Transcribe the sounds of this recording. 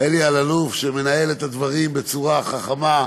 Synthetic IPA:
elialalufʃeme̞nae̞let̪ad̪vaʁimbe̞t͡suʁaχaχama

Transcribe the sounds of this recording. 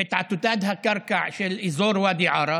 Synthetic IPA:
ɪt̪ʕat̪ːʊt̪aːd̪ɦakɑɾˤkaʕʃelʔizoːɾwaːd̪iʕɑːɾˤɑ

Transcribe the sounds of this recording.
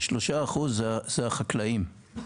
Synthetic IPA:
ʃloʃaːχuzzeaχaklaim

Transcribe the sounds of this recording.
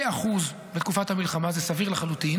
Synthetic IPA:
aχuz | bet̪kufathamilχamazesaviʁlaχalut̪in

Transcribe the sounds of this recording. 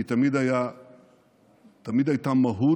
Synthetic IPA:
tɐmidaja | tɐmid̪ajt̪amːɐɦu

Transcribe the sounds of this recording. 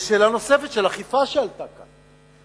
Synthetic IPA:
ʃelano̞sefet̪ʃelaχifaʃealt̪aka

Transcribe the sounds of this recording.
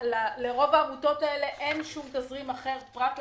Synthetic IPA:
laleʁo̞vaːmuto̞taele̞ʔenʃumt̪azʁimaχe̞ʁpʁak

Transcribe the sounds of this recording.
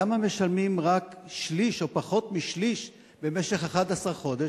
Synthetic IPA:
amame̞ʃalmimʁakʃliʃo̞paχo̞t̪miʃliʃ | be̞me̞ʃe̞χaχad̪asaʁχo̞d̪e

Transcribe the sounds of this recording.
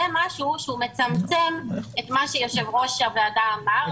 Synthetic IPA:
ɛmaʃuʃumet͡samt͡sɛmetmaʃɛjoʃɛvʁoʃavleadaːma

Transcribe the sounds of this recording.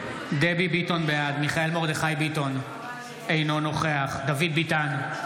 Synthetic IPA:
d̪ebibito̞nbejad̪miχae̞lmo̞ʁd̪eχajbito̞n | ejno̞no̞χeaχd̪avid̪̚bitan

